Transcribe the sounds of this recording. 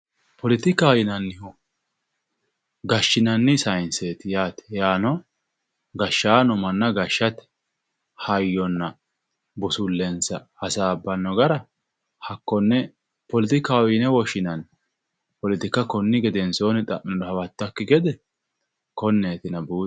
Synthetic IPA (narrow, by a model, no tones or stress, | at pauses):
pɔlɪt̪ɪkːaːwɪnɐnːɪhʊ | ɡɐʃːɪnɐnːɪsɐjnseːt̪ɪjaːt̪ɛ̥jaːnɔ | ɡɐʃːaːnɔmɐnːɐɡɐʃːɐt̪ɛ̥ | hɐjːɔnːɐ | bʊsʊlːɛnsɐhɐsaːbːɐnːɔɡɐɾɐ | hɐkːɔnːɛ | pɔlɪt̪ɪkaːwɪnɛwɔʃɪnɐn | pɔlɪt̪ɪkɐkɔnːɪɡɛd̪ɛnso̞ːnɪt̪ʼɐʔːɪnɔd̪ɔhɐwɐt̪ːɐkːɪɡɛd̪ɛ | kɔnːeːt̪ɪnɐbuː